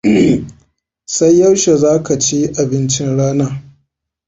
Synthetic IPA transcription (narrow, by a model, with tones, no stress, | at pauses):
sa˦jːɐ˦wʃe˨zaː˦ka˨t͡ʃi˦ʔa˨bɪ˦nt͡ʃɪ˦nɽaː˦naː˦